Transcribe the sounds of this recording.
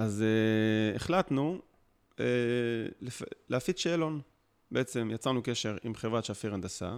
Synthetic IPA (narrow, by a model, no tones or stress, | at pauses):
ʔazeeχlat̪nu | elefleafitʃeːlo̞n | beʔet͡se̞mjat͡sanuke̞ʃe̞ʁimχevʁat̪ʃafiʁand̪asa̰